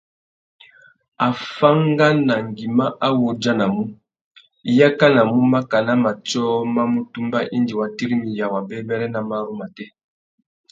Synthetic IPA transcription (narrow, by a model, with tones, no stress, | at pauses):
a˨fa˦ŋɡa˦na˨ŋɡi˨ma˦ʔa˦wo˨d͡ʒa˦na˨mu˦ | i˦ja˦ka˦na˨mu˦ma˦ka˨na˦ma˨t͡ʃɔ˦ma˦mu˦tu˦mba˦ʔi˦ndi˨wa˨ti˦ɾi˦mi˨ja˨wa˨bɛ˦bɛ˦lɛ˦na˨ma˦ɾu˦ma˨tɛ˦